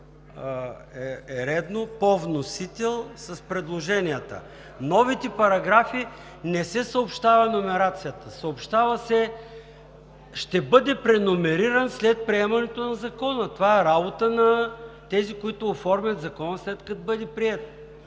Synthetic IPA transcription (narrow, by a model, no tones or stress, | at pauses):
ɛɛɾɛd̪nopovnosit̪ɛlˠsɐspɾɛd̪lˠoʒɛniət̪ə̰ | nɔvit̪ɛpɐɾɐɡɾafi | nɛsɛsɐopʃt̪avɐnomɛɾat̪sijət̪əsɐopʃt̪avɐsɛ | ʃt̪ɛbɤd̪ɛpɾɛnomɛɾiɾənslɛt̪̚pɾiɛmɐnɛt̪onɐzɐkɔnət̪ovaɛɾabot̪ənɐt̪ɛzikoit̪ʊːfɔɾmʲɐt̪zɐkɔnəslɛt̪kɐt̪bəd̪ɛpɾiɛt̪